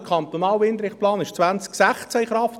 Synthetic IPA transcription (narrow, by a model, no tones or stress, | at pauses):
kʰɑnt̪onɑːlʋɪnd̪ɾɪχplɑːnɪʃt͡sʋænt͡sksæχt͡sæiχɾɑft